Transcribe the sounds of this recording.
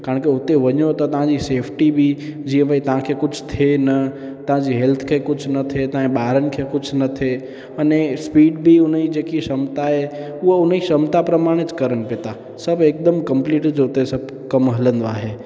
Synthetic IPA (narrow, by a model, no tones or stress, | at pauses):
kaːɳkeʊt̪eʋɐɲot̪ɐt̪ɐʋ̤ãd͡ʑiseːfʰʈibʱid͡ʑiːə̃bəit̪ɐʋ̤ãkʰekʊd͡ʒʰʱt̪ʰenɐ | t̪ɐʋ̤ãd͡ʑiɦelt̪ʰkʰekʊd͡ʒʰʱnɐt̪ʰet̪ɐɦãɓaːɾənɪ̆kʰekʊd͡ʒʰʱnɐt̪ʰe | ɐnespiːɖbʱiʊn̤id͡ʑeːkiʃɐmt̪aɦe | ʊɦoʊniʃɐmt̪apɾɐmaːɽ̃ɪt͡ʃkɐɾəɽ̃pɪt̪a | sɐbʱeːk̚d̪əmkə̃mpliːʈd͡ʒoʊt̪esɐbʱ | kɐmɦɐlə̃nd̪oaːɦeː